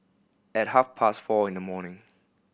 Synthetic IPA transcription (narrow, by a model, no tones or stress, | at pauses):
ɨt̚ɦafpʰastfɔːɪ̃nðəmɔːnɪ̃ŋ